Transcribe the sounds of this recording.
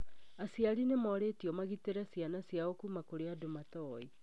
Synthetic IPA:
asiaɾinemɔɾetiɔmaɣiteɾasjanasiaokumakoɾeadomatɔi

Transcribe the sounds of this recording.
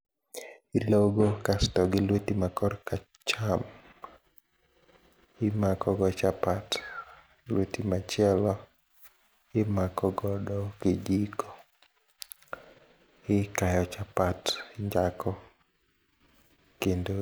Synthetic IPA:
iloɡokastɔɡɪlwotimakɔɾka | t͡ʃam | ɪmakɔɡɔt͡ʃapat | lwotimat͡ʃɪɛlɔ | ɪmakɔɡɔdɔkɪd͡ʒikɔ̥ | ɪkajɔt͡ʃapatɪɲd͡ʒakɔ | kendo

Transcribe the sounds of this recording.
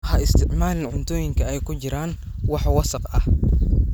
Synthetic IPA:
hɐɪst̪ʰɪʕmaːlɪnʕʊnt̪ʰɔːjɪŋkʰɐɛjkʰʊt͡ʃɪɾaːn | wɑħwɑsɑqɐh

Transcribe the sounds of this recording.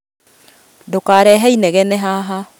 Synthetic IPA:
dokaːɾɛɦɛinɛɣɛnɛɦaɦa

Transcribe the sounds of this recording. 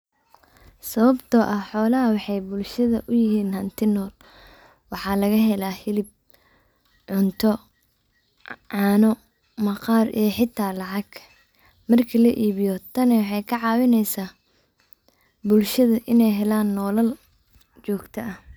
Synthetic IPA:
sɐβɐbt̪ʰɔʔɐhħɔːlɐɦɐwɑħɑjbʊlʃɐðɐʔʊjɪɦiːnhɐnt̪ʰɪnɔːl | wɑħɑːlɐɣɐɦɛlaːhɪlɪb̚ | ʕʊnt̪ʰɔ | ʕɑːnɔ | mɐqɑːrʔɛːħɪt̪ʰaːlɑʕɑɡ | mɐrkʰɐlɐʔiːβɪjɔt̪ʰɐnɛwħɑjkʰɐʕɑːwɪnɛjsaː | bʊlʃɐðɐʔɪnɛjɦɛlaːnːɔːlɐl | t͡ʃɔːɡt̪ʰɐɐh

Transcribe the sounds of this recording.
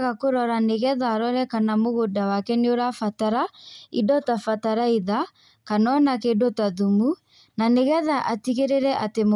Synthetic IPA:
ɣakoɾɔɾaneɣɛðaːɾɔɾɛkanamoɣodawakɛneoɾafataɾaidɔtafataɾaiða | kanɔnakedɔtaðumu | naneɣɛðaʔatiɣeɾeɾɛʔatem

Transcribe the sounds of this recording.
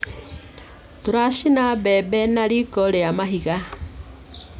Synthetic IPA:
tuɾaʃinabɛbɛnaɾikɔleamaɦiɣa

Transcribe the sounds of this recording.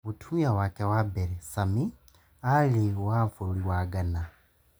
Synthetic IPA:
βutʰujawakewabeɾesami | aliwaɱfuɾuliwaɡana

